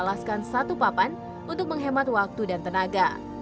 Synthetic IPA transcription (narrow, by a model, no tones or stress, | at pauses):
laskansat̪upapan | unt̪ʊk̚məŋɦemat̪̚wak̚t̪udant̪ənaɡa